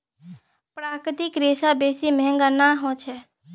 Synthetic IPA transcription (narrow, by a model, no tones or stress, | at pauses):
pɾaːkɾɪt̪ɪkɾeːsabeːsimɛɦɛ̃ŋɡanaɦõt͡ʃʰɛ